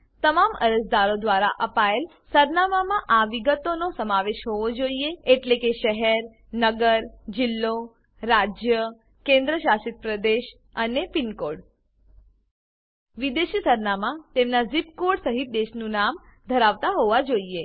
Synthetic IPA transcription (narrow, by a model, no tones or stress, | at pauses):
t̪əmamə̰ɾəsd̪aɾod̪ʋaɾa̰ʔəpael | səɾnamamãʔaʋiɡət̪onosəmaʋeʃɦoʋod͡ʒoieeʈlekeʃəɦɛɾ | nəɡəɾd͡ʒɪlːo | ɾad͡ʒjə | kẽnd̪ɾəʃaʃit̪̚pɾəd̪eʃ | ənepɪnkoɽ | ʋid̪eʃisəɾnamãt̪emnazipkoɽsəɦit̪̚d̪eʃnũnamd̪ʱəɾaʋt̪aɦoʋad͡ʒoie